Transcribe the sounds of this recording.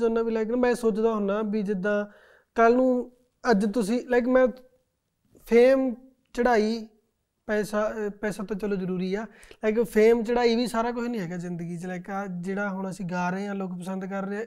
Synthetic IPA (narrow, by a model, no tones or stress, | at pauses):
oːnaːbiːlɛːkːmɛ̃ːsoːt͡ʃd̪aːɦoʊnaːbiːd͡ʒɪd̪ãː | kəlnũː | əd͡ʒt̪ʊsĩːlɛːk̬mɛ̃ː | pʰeːm | t͡ʃəɽaːiː | pɛːsaːpɛːsaːt̪ãːt͡ʃəloːzəɾuːɾiːaːlɛːk̬ɪpʰeːmt͡ʃəɽaːiːʋiːsaːɾaːk̬ʊiːnĩːɦɛːɡaːzɪnd̪əɡiːt͡ʃlɛːkaːd͡ʒeːɽaːɦʊɽ̃əsĩːɡaːɾeːãːloːkpəsənd̪kəɾːeː